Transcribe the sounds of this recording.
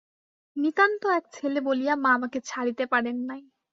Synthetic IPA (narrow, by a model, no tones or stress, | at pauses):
nit̪ant̪oɛk̚t͡ɕʰelebolijamamaket͡ɕʰaɽit̪epaɽenːaj